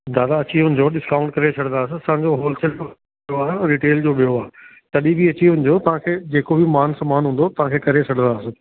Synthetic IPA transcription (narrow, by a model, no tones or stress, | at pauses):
d̪aːd̪aɐt͡ɕiʊnɪ̆d͡ʑoːɗɪskaːʊ̃ɳʈkɐɾet͡ɕʰɐɽə̃nd̪aːsɪ̃ɐsãːɲd͡ʑoɦoːlt͡ɕeld͡ʑo | joaːɾiːʈeːld͡ʑoːɓijoaː | t̪ɐɗibʱiɐt͡ɕiʊnɪ̆d͡ʑoːt̪ɐʋ̤ãkʰeːd͡ʑeːkobɪmaːnsɐmaːnɦũːnd̪ot̪ɐʋ̤ãkʰeːkɐɾet͡ɕʰɐɽ̤ə̃nd̪aːsɪ